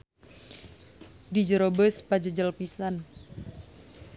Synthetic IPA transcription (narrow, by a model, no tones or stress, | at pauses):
did͡ʒəɾobəspad͡ʒəd͡ʒəlpisan